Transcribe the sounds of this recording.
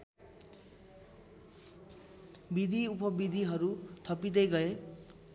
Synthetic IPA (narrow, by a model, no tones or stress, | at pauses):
bid̪ʱiupʌbid̪ʱiɦʌɾut̪ʰʌpid̪ʌjɡʌe